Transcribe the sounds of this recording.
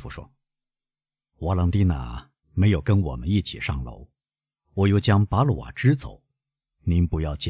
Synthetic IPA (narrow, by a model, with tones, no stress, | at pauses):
fu˧˩ʂwɔ̰˥ | wa˧˥lɑ˧˥ŋt̪i˥na̰˨˩ | me˧˥ɪjo˨˩ʊkə˥nwɔ̰˨˩mə˦ni˥˩t͡ɕʰḭ˨˩ʂɑ˥˩ŋlo̰˧˥ʊ | wɔ˨˩jo˥˩ʊt͡ɕjɑ˥ŋpa˧˥lu˨˩wa̰˨˩ʈ͡ʂɻ̩˥t͡so̰˨˩˦ʊ | ni˧˥npu˧˥jɑ˥˩ʊt͡ɕ